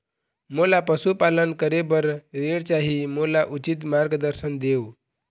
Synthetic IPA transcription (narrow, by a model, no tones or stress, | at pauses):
molapəsupalənkəɾebəɾɾeɽt͡ɕaɦiːmolaʔut͡ɕit̪maɾɡəd̪əɾsənd̪eu